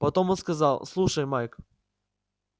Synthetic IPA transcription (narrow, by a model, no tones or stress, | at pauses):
pɐt̪o̞monskɐzɑlˠslˠuʂəjmajk